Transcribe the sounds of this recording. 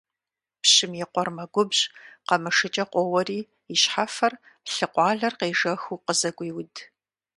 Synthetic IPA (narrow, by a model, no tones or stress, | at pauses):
pɕɪmjɛqʷɔrmɐɡʷʊbʑqɐmɨʂɨt͡ʃʼɐqʷɔwɐriː | iɕħafɐr | ɬɨqʷɑːɮɐrqeːʐɐxuːqəzɐkʷʼiːwʊd